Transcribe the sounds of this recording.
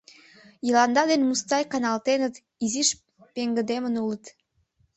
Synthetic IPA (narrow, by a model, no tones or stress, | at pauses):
jilˠɑnd̪ɑd̪enmust̪ɑjkanɑlˠt̪enət̪ | iziʃ | pʲeŋɡəd̪emənulˠət̪